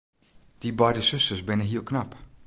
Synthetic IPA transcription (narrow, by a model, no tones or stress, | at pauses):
d̥ibɔjdəsɵstərsbɪnəɦiəlˠknap